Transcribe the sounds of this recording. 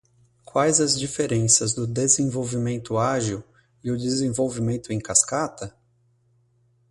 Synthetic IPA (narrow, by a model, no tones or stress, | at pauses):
kwajzɐzd͡ʒifeɾẽsɐzd̪ʊd̪ezẽvowvimẽnt̪ʊaʒiw | ɪʊd̪ezẽvowvimẽnt̪ʊẽj̃kaskat̪ɐ